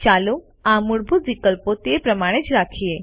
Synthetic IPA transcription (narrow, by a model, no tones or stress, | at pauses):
t͡ʃalu | amuɽbʱut̪ʋikəlpot̪epɾəmaɽ̃et͡ʃɾakʰie